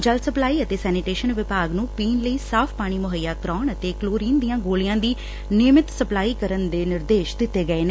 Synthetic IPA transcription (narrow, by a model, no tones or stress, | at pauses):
d͡ʒəlsəplaːiːət̪eːsɛːnɪʈeːʃənʋɪpaːɡnũːpiːnləiːsaːpʰpaːɽ̃iːmʊɦəjːaːkɾɔːɳət̪eːkloːɾiːnd̪ijãːɡoːlijãːd̪iː | nɪmɪt̪səplaːiːkəɾənd̪eːnɪɾd̪eːʃd̪ɪt̪ːeːɡəeːne